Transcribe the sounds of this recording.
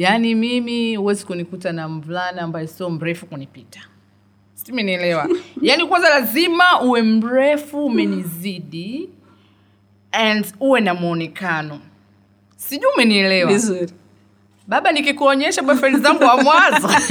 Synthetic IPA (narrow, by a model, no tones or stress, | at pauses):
janimimiuwɛzikunikutanam̩vlaniambajɔsiɔm̩ɾɛfukunipitḁ | simɛniɛlɛwajanikwanzalazimauwɛm̩ɾɛfuːmɛniziɗi | ɛnduwɛnamuɔnɛkanɔ | siʄuumɛniɛlɛwaizuɾi | ɓaɓanikikuɔɲɛʃaɓafanizaŋɡuwamwanzɔ